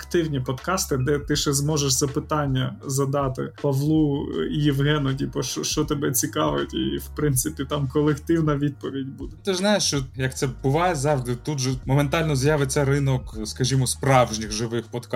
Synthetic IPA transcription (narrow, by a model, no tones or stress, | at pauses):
ɐkt̪ɪwnʲipɔd̪kɑst̪ɪd̪ɛt̪ɪʃɛzmɔʒeʃzɐpɪt̪ɑnʲːɐzɐd̪ɑt̪ɪ̰pɐʋlˠuijiʋɦɛnʊdʲipɔʃɔʃt͡ʃɔt̪ebɛt͡sʲikɑʋɪtʲḭwpɾɪnt̪sɪpʲit̪ɑmkɔlˠekt̪ɪwnɐʋʲid̪̚pɔʋʲidʲbud̪ɛt̪ɪznɑjɪʃʃt͡ʃɔjɐkt̪sɛbʊʋɑjɛzɑʋʐd̪ɪt̪ut̪ʒɛmɔment̪ɑlʲnɔzjɑʋɪsɛrɪnɔkskɐʒʲimɔspɾɑwʒnʲɪɣʒɪʋɪxpɔd̪k